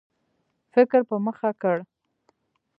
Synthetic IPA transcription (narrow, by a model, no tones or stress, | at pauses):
fɪkɾpəməxakəɽ